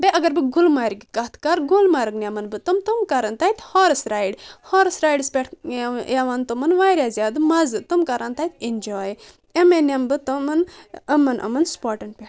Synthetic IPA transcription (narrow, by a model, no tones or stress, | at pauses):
beʔɐɡɐɾbɨɡulmaːɾiɡikɐt̪ʰkaɾɡulmaːɾɨɡnʲɐmɐnbɨt̪ɨmt̪umkɐɾɐnt̪aːit̪hoːɾɐsɾaːjɖhoːɾɨsɾaːjɖspʲeʈʰjaʋant̪omɐnʋaːɾjazʲaːd̪ɨmɐzɨt̪umkɐɾʔant̪aːit̪inʲd͡ʒoːj | emenʲɐmbɨt̪omɐnɐmɐnʔɐ̰mɐnspoːʈɐɳʈ̚pʲeʈʰ